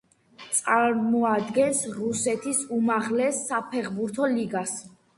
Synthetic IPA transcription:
t̪sʼaɾmɔad̪ɡɛnsɾusɛt̪ʰisumaʁlɛsːapʰɛχbuɾt̪ʰɔliɡas

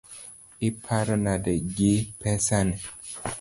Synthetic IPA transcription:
ɪpʰaɾɔnadɛɡipʰɛsanɛ

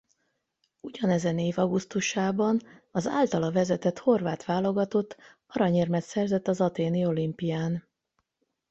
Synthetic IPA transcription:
uɟɒnɛzɛneːvɒɡust̪uʃaːbɒnɒza̰ːlt̪ɒlɒvɛzɛt̪ɛt̪ho̞rvaːt̪ʋaːlo̞ɡɒt̪o̞t̪ː | ɒɾɒɲeːrmɛt̪sɛrzɛt̪ːɒzɒt̪eːnio̞limpijaːn

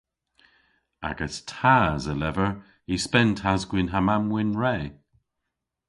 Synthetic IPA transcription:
a̰ɡəstʰaːzəlɛvəɹ | ispɛnthazɡwɪnɦamamwɪnɹeː

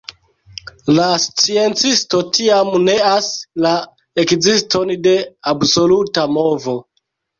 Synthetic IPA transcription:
last͡sie̞nt͡sisto̞tiamne̞asla | ekzisto̞nde̞abso̞lutamo̞vo̞

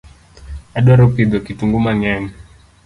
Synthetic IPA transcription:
aɗɔɾɔpid̪ɔkituŋɡumaŋɛm

